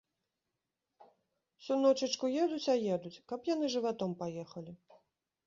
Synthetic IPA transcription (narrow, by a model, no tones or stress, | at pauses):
sunɔt͡ʂɨt͡ʂkujɛd̪ut͡sʲajɛd̪ut͡sʲkɐpjan̪ɨʐɨvat̪ɔmpajɛxɐlʲi